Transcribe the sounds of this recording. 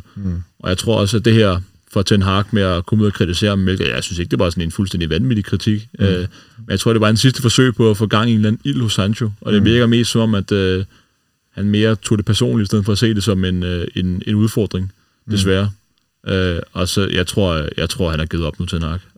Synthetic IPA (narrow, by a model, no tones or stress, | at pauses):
ʔɒ̽jɑ̈ɪt͡sʰʁo̝ɐ̰ɒ̽s̬əæd̥e̝ɦæɐ̰ | fɒt͡sʰenɦɑ̈ɡ̥meækʰɒ̽muðˠɐkʰʁit͡sʰise̝̰ːɐmmelɡ̥jaɪsynseɡ̥d̥eʋɑ̈ːsɒ̽ne̝nfulsd̥en̰d̥iʋænʋid̥ikʰʁit͡sʰiɡ̥ømenjat͡sʰʁo̝̰de̝ɑ̥ːdensis̬d̥əfɒ̽sø̰ɪpʰɒ̽æfɔːɡ̥ɑ̈ŋ̰ie̝ːnlænn̩il̰hɔ̽shɑnɕo̝ʔɒ̽d̥enʋiɐɡ̥ɐme̝̰ːsd̥sɒ̽mɒ̽mæd̥ø | hænme̝ːɐt͡sʰo̝̰d̥e̝pʰæɐso̝̰ːnlidisd̥eð̰̩ˠfɒ̽æse̝̰ːd̥e̝sɒ̽me̝nene̝nuð̞ˠfɒ̰ːd̥ʁeŋ | d̥e̝s̬ʋæːɐ | ʔøɒ̽sɒjɑ̈ɪt͡sʰʁo̝ɐ̰jɑ̈ɪt͡sʰʁo̝ɐ̰hænæɐɡið̩ˠɒ̽b̥nut͡sʰenɦɑ̈ːɡ̥